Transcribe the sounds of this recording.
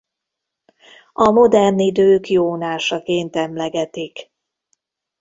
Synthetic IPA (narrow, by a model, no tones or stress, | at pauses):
ɒmo̞d̪ɛrnid̪øːkjoːnaːʃɒkeːnt̪ɛmlɛɡɛt̪ik